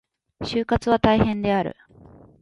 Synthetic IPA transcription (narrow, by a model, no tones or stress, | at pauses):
ɕɨːkat͡sɨβat̪aihẽ̞nd̪e̞aɾɯ̟̰